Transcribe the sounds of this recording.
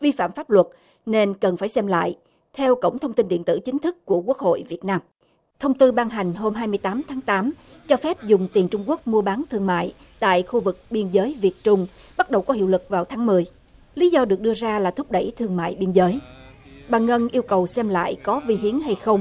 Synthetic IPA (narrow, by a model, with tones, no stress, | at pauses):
vi˧fa̰ː˧˨mfaː˦˥p̚lwə˨˩t̚ | ne˧nkə˨˩nfaː˧˩jsɛ˧mla̰ː˧˨j | t̪ʰɛ˧wkə̰˧˩wŋ͡mt̪ʰə˧wŋ͡mt̪i˧nɗḭ˧˨ənt̪ɨ̰˧˩t͡ɕï˨˦ŋ̟t̪ʰɨ˦˥kːu˧˩əku˦˥ək̚ho̰˧˨jvi˨˩ət̚naː˧m | t̪ʰə˧wŋ͡mt̪ɨ˧ɓaː˧ŋɦa˨˩jŋ̟ɦo˧mɦaː˧jmɨ˧əjt̪aː˨˦mt̪ʰaː˨˦ŋt̪aː˨˦m | t͡ɕɔ˧fɛ˦˥p̚zʊ˨˩ŋ͡mt̪i˨˩nt͡ɕʊ˧ŋ͡mku˦˥ək̚mu˧əɓaː˨˦nt̪ʰɨ˧əŋma̰ː˧˨j | t̪a̰ː˧˨jxu˧vɨ˨˩k̚ɓi˧ənzəː˨˦jvi˨˩ət̚t͡ɕʊ˧ŋ͡m | ɓa˦˥t̚ɗə˨˩wkɔ˨˦hḭ˧˨wlɨ˨˩k̚vaː˨˩wt̪ʰaː˨˦ŋmɨ˨˩əj | li˨˦zɔ˧ɗɨ˨˩ək̚ɗɨ˧əzaː˧laː˨˩t̪ʰʊ˦˥k͡p̚ɗə˧˩jt̪ʰɨ˧əŋma̰ː˧˨jɓi˧ənzəː˨˦jɓaː˨˩ŋə˧nʔi˧əwkə˨˩wsɛ˧mla̰ː˧˨jkɔ˨˦vi˧ɦi˨˦ənɦa˧jxə˧wŋ͡m